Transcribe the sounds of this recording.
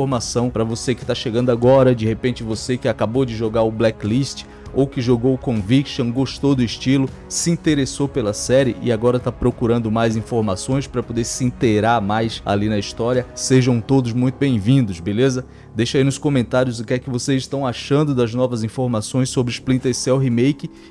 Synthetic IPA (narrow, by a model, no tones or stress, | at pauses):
oɾmasɐ̃w̃pɾɐvosekɪ̥t̪aʃeɡɐ̃nd̪ʊaɡɔɾɐd͡ʒɪhepẽt͡ʃɪvosekɪakabowd͡ʒɪʒoɡaɾʊblɛkliʃt͡ʃɪ̥ | owkɪʒoɡowkõvikʃõw̃ɡoʃt̪owd̪ʊɪʃt͡ʃilʊ | sɪĩt̪eɾesowpelɐsɛɾɪʔɪ̰aɡɔɾɐt̪apɾokuɾɐ̃nd̪ʊmajzĩfoɾmasõj̃spɾɐpod̪eɾsɪĩt̪eɡɾaɾmajsa̰linɐist̪ɔɾiɐseʒɐ̃w̃t̪od̪ʊzmũj̃t̪ʊbẽj̃vĩd̪ʊzbelezɐ | d̪ejʃɐainʊskõmẽnt̪aɾjʊzʊkɛkɪvosezɪʃt̪ɐ̃w̃aʃɐ̃nd̪ʊd̪ɐznɔvɐzĩfoɾmasõj̃sobɾɪsplĩt̪esɛwɦimejkɪ